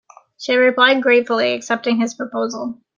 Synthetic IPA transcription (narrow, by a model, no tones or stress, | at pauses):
ʃiɹɪpʰl̥aɪd̚ɡɹeɪtfl̩ˠiɨksɛp̚tɪ̃ŋɪz̥pʰɹ̥ɨpʰoʊzl̩ˠ